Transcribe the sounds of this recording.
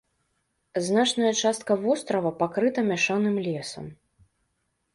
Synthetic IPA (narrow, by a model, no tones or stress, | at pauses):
znat͡ʂnɐjɐt͡ʂast̪̚kɐvɔst̪ɾɐvɐpakɾɨt̪ɐmʲaʂanɨmlʲɛsɐ̰m